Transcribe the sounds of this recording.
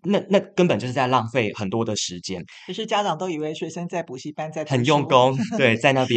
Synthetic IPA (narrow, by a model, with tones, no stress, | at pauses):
na˥˧na˥˧kə˥npə˨˩t͡ɕo˥˧ʂ̩˥t͡sa˧lɑ˥˧ŋfwe˥˩ɪxə˨˩nt̪wɔ˥d̪ə˨ʂɻ̩˧˦t͡ɕjɛ˥n̩ʰ˨˩ʂɻ̩˥˩t͡ɕja˥ʈ͡ʂɑ˨˩ŋt̪o˥ʊi˨˩we˥˩ɪʂwe˧˥ɪʂə˥nt͡sa˥˩ɪpu˨˩ɕi˥˩pa˥nt͡sa˥˩ɪxə˨˩njʊ˥˨ŋkʊ˦ŋt̪we˥˩ɪt͡sa˥˧ɪna˥˧˩pjɛ˥